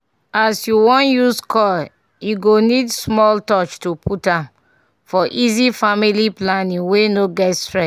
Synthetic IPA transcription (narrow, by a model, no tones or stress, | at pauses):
asjuwɔ̃njuskɔ | juɡonidsmɔltɔt͡ʃtupʰutãm | fɔʔizifamiliplanĩŋwenoɡɛtstɹɛs